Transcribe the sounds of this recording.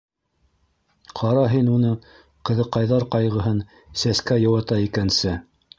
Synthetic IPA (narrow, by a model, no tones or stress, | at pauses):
qʰɑɾɑɦinunɤ | qɤ̆ðɤ̆qːɑjðɑɾqɑjʁɤ̆ɦɤn | sæskæjɤ̆wɑt̪ɑikænsɘ